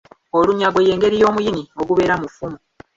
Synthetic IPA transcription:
o̞luɲaɡo̞je̞ːŋɡe̞ɾijo̞ːmujinio̞ɡuβe̞ɾamufumu

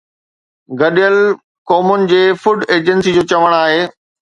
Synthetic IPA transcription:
ɡɐɗijəl | kɔːmʊnɪ̆d͡ʑeːfʊɖeːd͡ʑənsid͡ʑoːt͡ɕɐʋəɽ̃aːɦeː

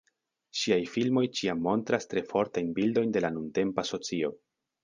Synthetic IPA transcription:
ʃiajfilmo̞jt͡ʃiamːo̞ntɾastɾe̞fo̞ɾtajnbildo̞jnde̞lanunte̞mpaso̞t͡sio̞

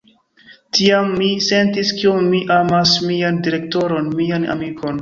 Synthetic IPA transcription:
tiamːise̞ntiskiomːiʔamasmiandiɾe̞k̚to̞ɾo̞nmiana̰mikʰo̞n

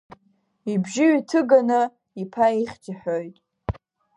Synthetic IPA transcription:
ibʒɪɥitʰɨɡanɨ | ipʰaiχʲd͡ʒaħᶣojtʼ

